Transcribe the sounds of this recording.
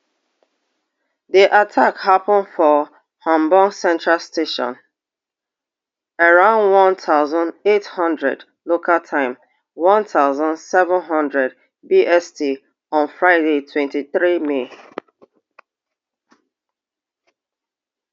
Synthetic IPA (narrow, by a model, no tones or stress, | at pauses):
diʔatʰakhapə̃nfɔ | hɔ̃mbɔ̃ŋsɛ̃ntɹalstʰeʃɔ̰̃n | əɹãʊ̃ndwɔ̃ntʰaʊzə̃ndethʌ̃ndɹɛ̰d | lokʰaltʰãɪ̃m | wɔ̃ntʰaʊzə̃ndsɛvə̃nɦʌ̃ndɹɛd̚ | biʔɛsti | ɔ̃nfɹaɪdetʰwɛ̃ntiθɹime